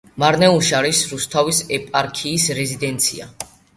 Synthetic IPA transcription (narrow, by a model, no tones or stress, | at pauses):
maɾnɛuʃaɾisɾust̪ʰavisɛpʼaɾkʰiːsɾɛzid̪ɛnt̪sʰḭa̰